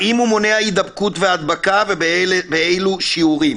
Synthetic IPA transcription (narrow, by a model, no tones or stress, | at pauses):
imhumo̞ne̞haid̪abkut̪vead̪bakavebeejluʃiuʁim